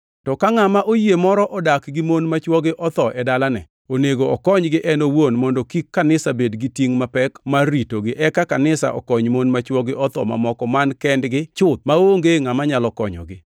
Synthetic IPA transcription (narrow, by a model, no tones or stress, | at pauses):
tɔkaŋamaʔojemɔɾɔʔɔdakɡɪmonmat͡ʃwɔɡɪʔɔt̪ɔʔɛdalanɛ̰ | oneɡoɔkɔɲɡɪʔɛnowonmɔndɔkikːanɪsabedɡitiŋmapɛkmaritoɡɪʔɛkakanɪsa̰ʔɔ̰kɔɲmonmat͡ʃwɔɡɪʔɔt̪ɔ̰ma̰mɔkɔmankɛndɡɪt͡ʃʊt̪̚maoŋɡeŋamaɲalɔkɔ̰ɲɔ̰ɡɪ